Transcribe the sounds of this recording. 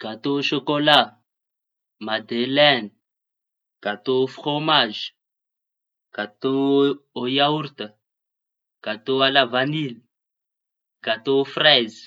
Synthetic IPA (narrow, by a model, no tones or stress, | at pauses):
kat̪oʃɔkola | mad̪elɛn | kat̪ofχomaʒ | kat̪oojauɾt̪a | kat̪oalavanil | kat̪ofrɛz